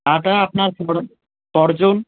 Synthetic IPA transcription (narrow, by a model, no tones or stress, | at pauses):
aʈ̪aap̚naɾkɔɽ | kɔɾd͡ʑon